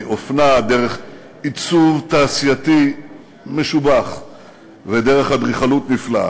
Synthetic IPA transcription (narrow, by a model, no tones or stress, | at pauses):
ʔofnad̪eʁeχ | it͡suvt̪aːsijat̪i | me̞ʃubaχ | ved̪eʁeχhad̪ʁiχalut̪nifla̰